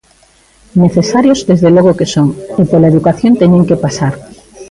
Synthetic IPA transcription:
neθesaɾjozd̪ezðeloɣ̞okesoŋepolaeðukaθjont̪eɲeŋkepasaɾ

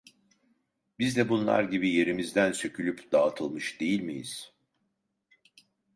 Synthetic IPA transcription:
bizd̪ɛbunlˠa̰ɾɟibije̞ɾimizd̪ænsø̞cʰylʲypd̪aːt̪ʰɯlˠmɯʃd̪e̞jilʲmijḭz̥

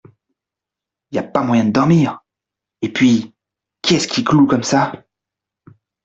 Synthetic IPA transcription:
iljapamwajɛ̃d̪əd̪ɔʁmiːʁ | epɥi | kʲiɛskʲiklukɔmsa

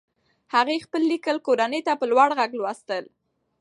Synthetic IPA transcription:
haɣexpəlːikəlkoɾanət̪apəlwaɽɣaɡlwɑst̪əl

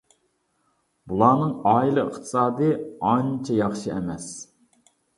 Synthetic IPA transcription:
bulˠɑːnɨŋɑːjilˠɨə̰χt̪ʰɨ̥sɑːd̪ɨɑnt͡ʃʰɛjɑχʃiɛmɛs

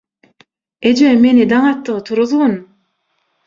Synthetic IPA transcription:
ed͡ʒemenid̪ɑŋɑt̪ːɯʁɯt̪ʰuɾuðun

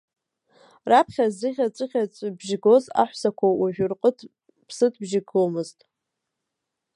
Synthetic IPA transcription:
rapʰχʲazɨχʲat͡sʷʼɨχʲat͡sʷʼbʒɡo̞za̰ħʷsakʷʰawaʒᶣʊrqʼətʰ | pʰsɨtʰbʒɪɡʰomɨztʼ

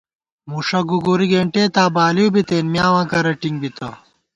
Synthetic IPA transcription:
muʂɐɡuɡuɾiɡeːɳʈeːt̪aːbaːlijubit̪eːnmjaːwãːkɐɾɐʈiŋɡbit̪ɐ

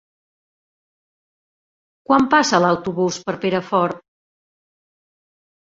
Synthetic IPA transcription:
kwampasəːləwt̪uβuspəɾpeɾəfɔɾt̪̚

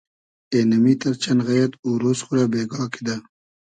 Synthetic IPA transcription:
eːnɐmiːt̪ɐɾt͡ɕɐnɣɐjɐt̪uɾoːsxuɾaːbeːɡɑːkid̪a

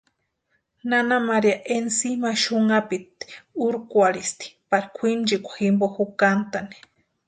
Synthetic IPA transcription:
nanamaɾiaʔensimaʃuŋapit̪uɾkwaɾist̪i̥paɾikʷʰind͡ʒikʷḁximboxukant̪ani̥

